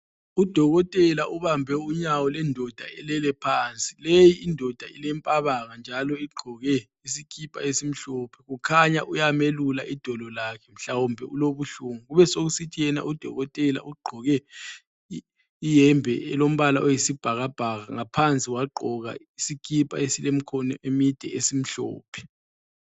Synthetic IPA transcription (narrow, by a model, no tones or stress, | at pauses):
ud̥ʱɔɣɔtʼɛlaʔuβambʱɛuɲawɔlɛndʱɔd̥ʱaɛlɛlɛpʰaːnt͡sʼilejiindʱɔd̥ʱailɛmpʼaβaŋand͡ʒʱalɔiɡ͡ǃʱɔɣɛ | isikʰipʼa̰esim̩ɬɔpʰɛ̥ɣukʰaɲaʔujamelula̰ʔid̥ʱɔlɔlakʰɛm̩ɬawumbʱɛuloβuɬuŋuɣuβɛsoɣusitʰijɛna̰ʔud̥ʱɔ̰ɣɔtʼɛla̰ʔuɡ͡ǃʱɔɣɛ | ijɛmbʱɛɛlom̩βalaʔojisib̥ʱaɣab̥ʱaɣaŋapʰant͡sʼiwaǃʱɔɣa̰isikʰʼipʼa̰esilem̩kʰɔnemid̥ʱɛ̰esim̩ɬɔ̰ːpʰɛ̥